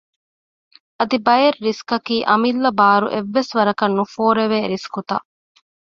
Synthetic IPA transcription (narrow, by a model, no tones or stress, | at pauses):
ɐd̪ibɐjɐɾːiskɐkiːʔɐmilːɐbaːɾṵʔeʋːesʋɐɾɐkɐnːufoːɾeʋeːɾiskut̪a̰ː